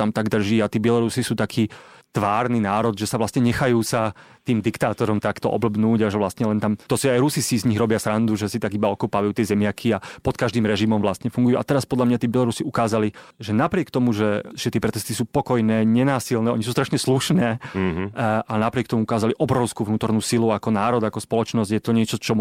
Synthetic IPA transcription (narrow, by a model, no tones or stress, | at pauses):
t̪amt̪aɡd̪r̩ʒiːat̪iːbɪɛlɔɾusisuːt̪akʰiːt̪ʋaːɾninaːɾɔd̪ʒɛsaʋlast̪ɲɛɲɛxajuːsat̪iːmd̪ikt̪aːt̪ɔɾɔmt̪akt̪ɔ̰ʔɔ̰blbnuːɟaʒɛʋlast̪ɲɛlɛnt̪amt̪ɔsuajɾusisizɲiɣɾɔbɪasɾand̪uʒɛsit̪aɡibaɔkɔpaːʋajuːt̪ɪɛzɛmɪakʰiapɔt̪kaʒd̪iːmɾɛʒimɔmʋlast̪ɲɛfuŋɡujuːʔa̰t̪ɛɾaspɔd̪lamɲat̪iːbɛlɔɾusiukaːzaliʒɛnapɾɪɛkt̪ɔmuʒɛʒ̥ɛt̪ɪɛpɾɛt̪ɛst̪isuːpɔkɔjnɛːɲɛnaːsilnɛːɔɲis̬uːst̪ɾaʃɲɛsluʃnɛː | alɛnapɾɪɛk̚t̪ɔmuukaːzaliʔɔbɾɔʊskuːvnuːt̪ɔɾnuːsiluakɔnaːɾɔd̪akɔspɔlɔt͡ʃnɔzɟjɛt̪ɔɲɪɛt͡ʃɔt͡ʃɔ